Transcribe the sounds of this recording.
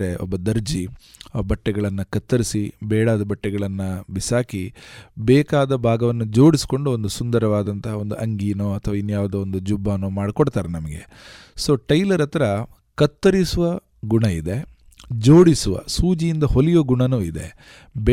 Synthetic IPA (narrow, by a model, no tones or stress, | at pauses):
ɾeʔɔ̰bːɐd̪ɐɾd͡ʒi | ɐbɐʈːɛɡɐɭɐnːɐkɐt̪ːɐɾisibɛːɽaːd̪ɐbɐʈːɛɡɐɭɐnːɐbisaːkibɛːkaːd̪ɐbʱaːɡɐʋɐnːud͡ʒoːɽisi̥ko̞ɳɖuond̪usund̪ɐɾɐʋaːd̪ɐnt̪ɐɦond̪uʔɐŋɡiːnoːɐt̪ʰɐʋaːinːujaːʋɐd̪uːond̪ud͡ʒubːaːnoːmaːɽikɔɽt̪aːɾenɐmɐɡe̞̰ | so̞ːʈɐjlɐɾɐt̪ɐɾɐ | kɐt̪ːɐɾisuʋɐ | ɡuɳɐid̪e̞ | d͡ʒo̞ːɽisuʋɐ̰suːd͡ʒijind̪ɐɦolijoɡuɳɐnuːid̪e̞̰ | b